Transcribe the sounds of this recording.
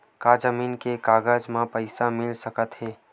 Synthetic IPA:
kad͡ʒəmiːnkekaːɡəd͡ʒmãpəɪsamɪlsəkət̪ɦeː

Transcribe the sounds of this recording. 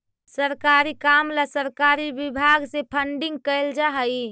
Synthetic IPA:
səɾkaɾikamlasəɾkaɾibibʱaɡsepʰəɳɖɪ̃ŋɡ̚kəɪld͡ʒaɦəi

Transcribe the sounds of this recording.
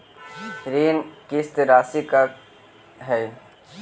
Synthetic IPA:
ɾeːnkest̪eɾaːsika | ɦɛː

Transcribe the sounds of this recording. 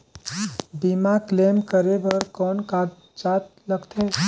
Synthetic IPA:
bimakleːmkəɾebɐɾkɔːnka | t͡ʃaːt̪ləɡt̪ʰe

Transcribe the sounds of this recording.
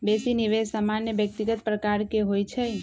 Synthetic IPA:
besiniʋesəmanjəʋjək̚t̪iɡət̪̚pɾəkaɾkeɦojt͡ʃʰe

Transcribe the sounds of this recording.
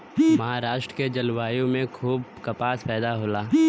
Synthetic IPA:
mɐɦaːɾaːʃʈɾəked͡ʒɐlwaːjõmẽkʰuːb̚kɐpaːspɛːd̪aɦoːlaː

